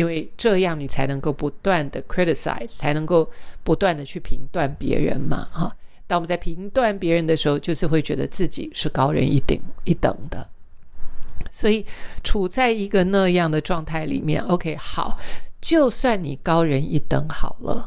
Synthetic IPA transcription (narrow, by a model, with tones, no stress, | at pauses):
i˥nwe˥˧ɪʈ͡ʂɤ˥˧jɑ˥˩ŋni˨˩t͡sʰa˧˥ɪnɤ˧˥ŋko˥˩ʊpu˧˥t̪wa˥˩nd̪ə˩kʰɹi˦˥ɾi˨˩sa̰˨˩ɪz̥t͡sʰa˧˥ɪnɤ˧˥ŋko˥˩ʊpu˧˥t̪wa˥˩nd̪ə˩t͡ɕʰy˥˩pʰi˧˥ŋt̪wa˥˩npjɛ̰˧˥ɻə̰˧˦˥nmɐ̰˨ɑ˥˩t̪a˥˩ŋwt͡sa˥˩ɪpʰi˧˥ŋt̪wa˥˩npjɛ˧˥ɻə˧˥nd̪ə˧ʂɻ̩˧˥xo˧ʊt͡ɕjo˥˧ʊʂ̩˥˧xwe˥˩t͡ɕɥɛ˧˥d̪ə̰˧t͡sɹ̩˥˩t͡ɕḭ˨˩˦ʂɻ̩˥˩kɑ˥ʊɻə̰˧˥nḭ˥˩t̪i˨˩ŋi˥˩t̪ə̰˨˩ŋd̪ə̰˦ | swɔ˧˥i˨˩ʈ͡ʂʰu˨˩t͡sa˥˩ɪi˧˥ɡə˧na˥˧jɑ˥˩ŋd̪ə˩ʈ͡ʂwɑ˥˧ŋt̪ʰa˥˩ɪlḭ˨˩mjɛ̰˥˩no˧˥ʊkʰe˧˥ɪxɑ˨˩˦ʊt͡ɕjo˥˧ʊswa˥˩nni˨˩kɑ˥ʊɻə˧˥ni˥˩t̪ə˧˥ŋxɑ˨˩ʊlə̰˦